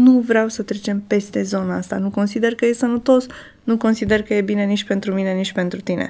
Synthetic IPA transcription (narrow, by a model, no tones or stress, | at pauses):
nuvɾeawsət̪ɾe̞t͡ʃe̞mpe̞st̪e̞zo̞naast̪anuko̞nsid̪e̞rkəje̞sənət̪o̞s | nuko̞nsid̪e̞rkəje̞bine̞nit͡ʃʲpe̞nt̪ɾumine̞nit͡ʃʲpe̞nt̪ɾut̪ine̞̰